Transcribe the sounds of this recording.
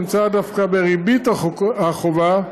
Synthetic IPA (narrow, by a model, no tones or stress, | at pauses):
mt͡sad̪afkabeʁibit̪aχova